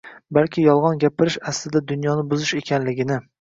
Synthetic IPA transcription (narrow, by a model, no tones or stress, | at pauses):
balkʲʰɪjɒlˠʁɒnɡʲapʰɪɾɪʃaslɪd̪ad̪ʊnjɒnɪbʊzɪʃe̞kʲʰanlɪɡʲɪnɪ